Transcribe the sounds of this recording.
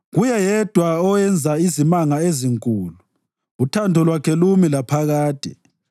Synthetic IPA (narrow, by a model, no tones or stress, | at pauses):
ɣujɛjɛd̥ʱwaɔjɛnd͡zʱaizimaŋaeziŋkʼuːlu | utʰandʱɔlwakʰɛlumilapʰaɣaːd̥ʱɛ̰